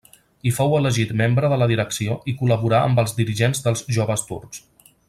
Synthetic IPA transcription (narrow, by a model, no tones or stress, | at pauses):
ifɔwələʒit̪membɾəðələðiɾəksioʔikuləβuɾaə̰mbəlˠzd̪iɾiʒenzðəlˠzʒoβəst̪ṵrks